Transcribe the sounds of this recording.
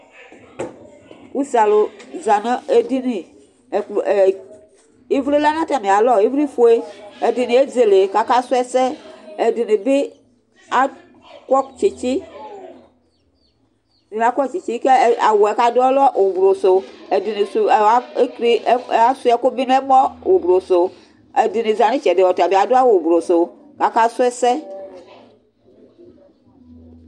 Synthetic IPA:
u˦sa˨lo˨za˨nã˦e˦di˦ne˨ | i˦vɾi˦la˦nã˦ta˨mẽ˨a˨lɔ˦i˦vɾi˦fo˨e˦e˨di˨ne˨˦e˦ze˨le˨ka˨ka˦su˦ɛ˦sɛ˦e˨di˨ne˨be˦ | a˦ | kɔ˦kt͡ʃe˨t͡ʃi˦ | di˨a˦kʷɔ˦t͡ʃi˨t͡ʃi˦ke˦˨a˨wo˨ɛ˨ka˦do˦ɛ˦lɔ˦wʔo˨bɾo˨so˨e˨di˨ne˨su˨a˦e˦kɾi˦˨a˦su˦ɛ˨˦ko˦bi˦n˦ɛ˦mɔ̃˦wʔo˨bɾo˨so˨ | e˨di˨ne˨za˨nĩ˦t͡ʃɛ˨de˨wɔ˨ta˨be˨a˨do˦a˦wo˨bɾo˨so˨ | ka˨ka˦sʊ˦ɛ˦sɛ˦

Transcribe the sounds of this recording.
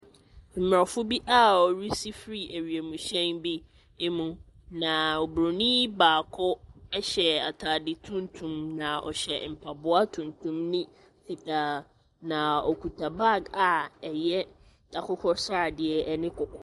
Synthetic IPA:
m̩˨mɾa˨fʊ˦bi˦ʔa˦˨ɔ˨ɾi˦si˦fɾi˦ʔe˨ɾi˨e˨mũ˨ɕɛ̃˦nbi˦ | e˦mũ˨ | nã˨ɔ˨bɾo˨nĩ˦baː˨kʰʊ˦ɛ˦ɕɛ˨a˨tʰa˨dɪ˨tʰũ˦n˦tʰũ˨mnã˨ʔɔ̰˨ɕɛ˨m̩˨pʰa˨bʊ˦a˦tʰũ˨ntʰũ˦mnĩ˦ | sʰi˨tʰa˨ | nã˨ɔ˨kʰu˨tʰa˨ba˦˨ɡa˨ɛ˨jɛ˦ | d̥a˨kʰʊ˦kʰɔ˦sa˦˨dɪ˨ɛ˨˦nɪ̃˦kʊ˨kʰɔ˦

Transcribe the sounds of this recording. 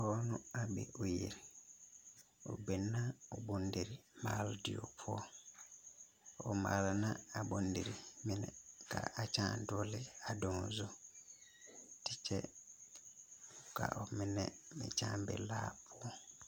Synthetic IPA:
hɔ˦nʊ̃˦a˦bɛ̰˨ʔo˨je˨ɾ | o̰˨be˨nã˦ɔ˨bɔ̃˨n̩˦de˨ɾi˨maː˨˦ldɪ˨o̰˨pʰʊ˦ɔ˦ | ɔ˨ma̰˨lnã˦a˨bɔ̃˨n̩˦de˨ɾi˨mɪ̃˦nɛ̃˨kʰa̰˨a˨t͡ʃʰã˦˨n̩˨dɔ˦lɪ˦a˨dɔ̃˨n˨zʊ˦ | tʰɪ˦t͡ʃʰɛ˦˨ | kʰa̰˨ʔɔ˨mɪ̃˨nɛ̃˦mɪ̃˨t͡ʃʰã̰ː˦˨m˦bɛ̰˨laː˦pʰʊ˦ɔ˦

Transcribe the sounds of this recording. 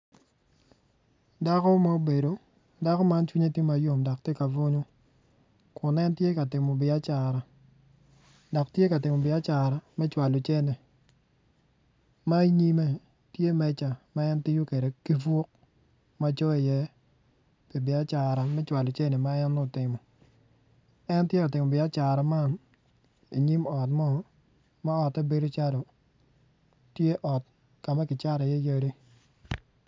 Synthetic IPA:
da˦kɔ˦ma˦o˦be˨do˨ | da˦kɔ˦ma˦nt͡ʃwi˦ɲe˦tje˦ma˨˦jo˨mda˨k̚tje˦ka˨vo˦ɲo˦ | kʰʊ˨nɛ˦ntje˦ka˨tɪ˨mɔ˨bɪ˨a˦t͡ʃa˨ɾa˨ | dɔ˨ktje˦ka˨tɪ˨mɔ˨bɪ˨a˦t͡ʃa˨ɾa˨mɛ˦t͡ʃwa˨lo˨t͡ʃɛ˦nɛ˨ | ma˦i˦ɲi˦mɛ˦ | tje˦mɛ˦t͡ʃa˨ma˦ɛ˦ntɪ˦jo˦ke˨de˨ki˦fwo˦k̚ | ma˦t͡ʃɔ˦i˨jɛ˦ | pi˨bɪ˨a˦t͡ʃa˨ɾa˨mɛ˦t͡ʃwa˨lo˨t͡ʃe˦nɛ˨ma˦ɛ˦nːʊ˦˨tɪ˨mɔ˨ | ɛ˦ntje˦ɔ˨tɪ˨mɔ˨bɪ˨a˦t͡ʃa˨ɾa˨ma˦n | ḭ˨ɲi˦mɔ˨tmɔ˦ | ma˦ɔ˨ta˦be˦ɾo˦t͡ʃa˦do˨ | tje˦ʔɔ˨t̚ | ka˨ma˦kɪ˨t͡ʃa˦ɾa˨jɛ˦jə˦ɾi˦

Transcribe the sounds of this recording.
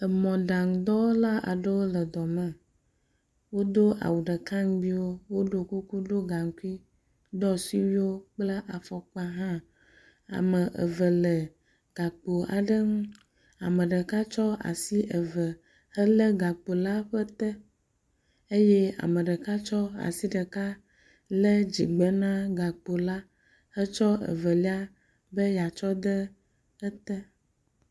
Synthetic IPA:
ə˨mɔ̃˨ɖa˨ŋ˨d̪ɔ˦wo˦la˦a̰˨ɖə˦wo˦lə˨d̪ɔ˨mə̃˨ | wo˦d̪o˦ʔa̰˨wu˨ɖə˨ka˦ŋ˦bi˦wo˦wo˦ɖo˦ku˦ku˦ɖo˦ɡa˨ŋ̩˦ku˦i˦ | d̪ɔ˦si˦wi˦wo˦k͡plə˦ʔa˨fɔ˨k͡pa˦ɦã˦ | a̰˨mə̃˨ʔə̰˨və˨lə˨ | ɡ̥a˨k͡po˨a̰˨ɖə˦ŋũ˦ | a˨mə̃˨ɖə˨ka˦t͡ʃɔ˦a̰˨si˦ʔə˨və˨ | hə˦lə˦ɡa˨k͡po˨la˦ɸə˦t̪ɛ˦ | e˦jɛ˦a̰˨mə̃˨ɖə˨ka˦t͡ʃɔ˦a̰˨si˦ɖə˨ka˦ | lə˦d͡ʑḭ˨ɡ͡bɛ˨nã˦ɡa˨k͡po˨la˦ | hə˦t͡ʃɔ˦ə̰˨və˨li˦a˦ | bə˦ja˨t͡ʃɔ˦d̪ə˦ | ə˦t̪ɛ˦

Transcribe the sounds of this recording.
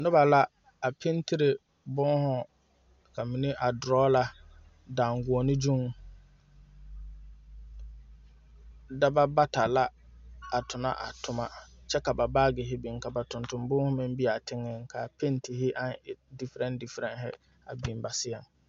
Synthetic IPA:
nʊ˦ba˨la˦ | a˨pʰe˦n˦ti˦ɾɪ˨ | bɔ˦hʊ˦ | ka˨mi˨nɪ˦ʔa˨dʊ˨ɾɔː˦la˦ | daː˨ŋɡʊ˨o˨nɪ˦d͡ʒu˦ŋ | da˦ba˦ba˦ta˨la˦ | a˨tʰʊ˨na̰˦ʔa̰˨tʰʊ˨ma˦˨t͡ʃɛ˦ka˨ba˨baː˦ɡɪ˨ɦɪ˦bi˨ŋ˨ka˨ba˨tʊ˨ntʊ˨mbʊː˦hʊ˦mɪ̃˦m˦bi˦a˨tʰɪ˦ŋːɪ˦ŋkʰa˨pʰe˦nti˨ɦɪ˦ʔa˦nɪ˨di˦fɾɛ˦ndi˨fɾɛ˨nɦɪ̰˦ | a̰˨bi˨mba˨sɪ˦a˨ŋ

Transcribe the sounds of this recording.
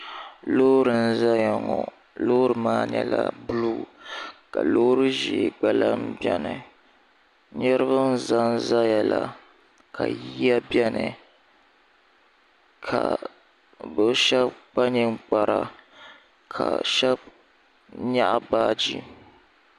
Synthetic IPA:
loː˦ɾɨ˨n̩˦za˦jɔ˨ŋɔ˨ | lo˦ɾɨ˨maː˦ɲɛ̰˦la̰˦bɨ˦luː˦ka˨loː˦ɾɨ˦ʒe˨ɡ͡ba˦la˦mbjɛ˦nɨ˨ | ɲɛ˦ɾɨ˦βɨ˦n̩˦za˦n˨za˦jɛ˨la˨ | kʰa˨ji˦ja˦bjɛ˦nɨ˨ | kʰa˨ | bɨ˦ʃɛ˦b̚k͡pa˦ɲɨ˦k͡pa˨ɾa˨ | kʰa˨ʃɛ˦b | ɲa˦ʔa˦baː˦d͡ʒi˦

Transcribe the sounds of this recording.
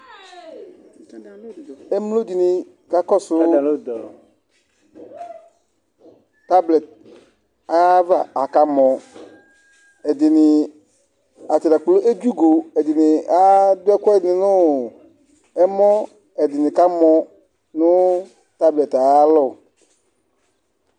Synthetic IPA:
ɛ˦m˦lo˦dɪ˨nɪ˨ | ka˦kɔ˦sʊ˦˨ | ta˦blɛ˨t̚ | a˨ja˦va˦˨ʔa˨ka˦mɔ̃˨ | ɛ˨dɪ˨nɪ˨ | a˨tɪ˨ɾa˨k͡plo˦ʔe˦d͡ʒu˦ɡo˨ɛ˨dɪ˨nɪ˨a˦dʊ˦ɛ˦kʷɛ˦˨nɪ̃˨nʊ˦ | ɛ˦mɔ˦ | ɛ˨dɪ˨nɪ˨ka˦mɔ˨ | nʊ˦ | ta˦blɛ˨ta˨ja˦lɔ˦˨

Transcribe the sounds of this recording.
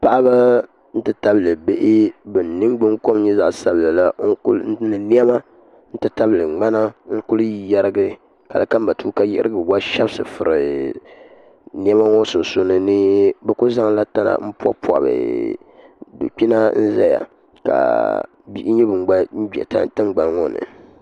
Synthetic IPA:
pa˦ʔa˦ba˦ | n̩˦tɨ˦ta˦bɨ˨lɨ˨be˦ʔɪ˦bɨ˨n˨nɨ˦mɡ͡bɨ˦ŋko˦m˦ɲɛ˦za˨ʔsa˦bɨ˨la˨la˦ŋ̩˦knɨ˨ni˦ɛ˦ma˦ | n̩˦tɨ˦ta˦bɨ˨lɨ˨ŋ͡ma˦na˦ŋ̩˦kʊ˦lɨ˦ji˦ja˦ɾɨ˦ɡɨ˦ | ka̰˨lɨ˨ka˦m˦ba˨tuː˦ka˦ja̰˦ɾɨ˦ɡɨ˨wa˦ʃa˦bsɨ˨fɨ˨ɾɨ˨ | ni˦ɛ˦ma˦ŋɔ˦sʊ˨so˦nɨ˨nɨ˦bɛ˦ku˦za˦ŋla˦ta˦na̰˦m̩˦pɔ̰˦pʰa̰˨bɨ̰˨ | dṵ˨k͡pi˦na˦n̩˦za˦ja̰˨ | ka̰˨ | bi˦ʔɲɛ˦bɨ˨ŋ˨ɡ͡ba˦ɡ͡bɛ̰˨ta̰˦tɨ˦ŋɡ͡ba˨n˦ŋɔ˦nɨ̰˨

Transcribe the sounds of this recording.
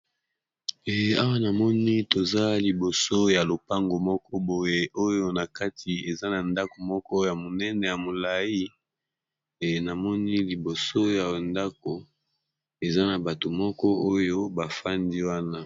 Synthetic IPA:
e˨a˦wa˦na˨mɔ˦ni˦to˨za˦li˨bo˨so˦ja˨lo˨pa˦ŋɡo˨mɔ˦kɔ˦bo˨je˦ʔo˦jo˦na˨ka˦tʰi˨e˨za˦na˨nda˦ko˨mɔ˦kɔ˦ja˨mo˨nɛ˦nɛ˨ja˨mo˨la˨ji˦ | e˨na˨mɔ˦ni˦li˨bo˨so˦ja˨nda˦ko˨ | e˨za˦na˨ba˨to˨mɔ˦kɔ˦o˦jo˦ba˨fa˦ndi˦wa˦na˦

